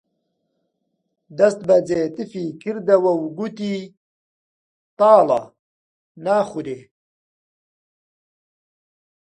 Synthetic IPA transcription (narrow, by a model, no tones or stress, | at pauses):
d̪ɐst̪̚bɐd͡zeːt̪ifikiɾd̪ɐwɐwɡut̪i | t̪aːla̰ | naːχud̪e